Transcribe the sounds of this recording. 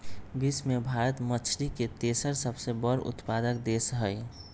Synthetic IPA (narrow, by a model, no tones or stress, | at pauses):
bismebʱaɾət̪mət͡ʃʰɾiket̪esəɾsəbsebəɾʊ̰t̪pad̪ək̚d̪esɦəj